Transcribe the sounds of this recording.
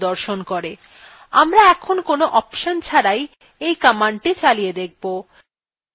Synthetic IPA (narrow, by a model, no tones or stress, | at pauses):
d̪ɔɾʃonkoɾe | amɾaɛkʰonkonoʔɔpʃont͡ɕʰaɾaj | ejkamaɳʈit͡ɕalijed̪ek̚bo